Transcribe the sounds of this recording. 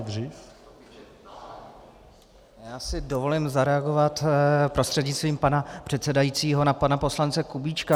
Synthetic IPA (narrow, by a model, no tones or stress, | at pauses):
d̪riːf | jaːsɪdovo̞lɪmzaɾɛaɡo̞vat̪pɾo̞st̪r̝̥ɛdɲɪt̪st̪viːmpanapr̥ɛt̪sɛdajit͡siːɦo̞napanapo̞slant͡sɛkubiːt͡ʃka